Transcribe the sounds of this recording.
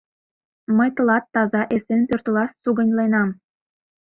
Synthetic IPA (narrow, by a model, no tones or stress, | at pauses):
məjt̪ə̆lɑt̪ːɑzɑʔesenpørt̪əlɑssuɣə̆nʲlenɑm